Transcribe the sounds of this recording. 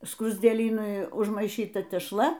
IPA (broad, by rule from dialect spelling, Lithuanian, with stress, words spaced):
skrʊzʲdʲeːˈlʲiːnʊɪ ʊʒmɐɪˈʃʲiːtɐ tʲɛʃˈlˠɐ